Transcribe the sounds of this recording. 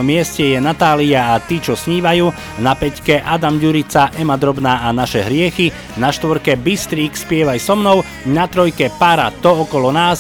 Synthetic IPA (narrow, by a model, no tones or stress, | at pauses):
ɔmɪɛscɛjɛnat̪aːliaat̪iːt͡ʃɔsɲiːʋajuː | napɛckɛʔad̪amɟuɾit͡saʔɛmad̪ɾɔbnaːanaʃɛɦɾɪɛxi | naʃt̪ʋɔɾkɛbist̪ɾiːkspɪɛʋajsɔmnɔʊ | nat̪ɾɔjkɛpaɾa̰t̪ɔɔkɔlɔnaːs